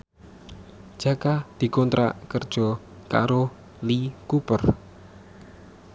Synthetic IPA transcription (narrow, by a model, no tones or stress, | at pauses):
ʒ̥äkad̪̥i̤kɔnt̪ɾa̰kərd̥ʒ̥ɔ̤ | ka̰ɾo | likupər